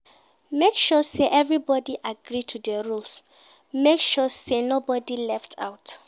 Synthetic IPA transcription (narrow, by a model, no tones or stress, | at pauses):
mekʃɔseʔɛvɹibɔdiʔaɡɹitʰudɛɹuls | mekʃɔsenobɔdilɛftʰa̰ʊt